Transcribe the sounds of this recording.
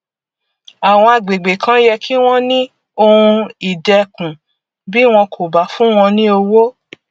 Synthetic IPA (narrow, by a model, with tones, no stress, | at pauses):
a˨w̃ɔ̃˧a˨ɡ͡be˨ɡ͡be˨kʰã˦jɛ˧kʰi˦w̃ɔ̃˦nĩ˦ | o˧ũ˧i˨dɛ˧kũ˨ | bi˦w̃ɔ̃˧kʰo˨ba˨˦fũ˦w̃ɔ̃˧nĩ˦o˧wo˦